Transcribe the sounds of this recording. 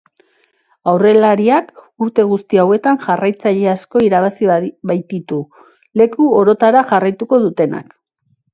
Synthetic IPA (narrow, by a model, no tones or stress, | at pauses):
awre̞laɾiak | uɾt̪e̞ɣ̞ust̪iawe̞t̪aŋʝarajt͡saʎe̞asko̞iɾaβasiβajt̪it̪u | le̞kuo̞ɾo̞t̪aɾaʝarajt̪uko̞ðut̪e̞na̰k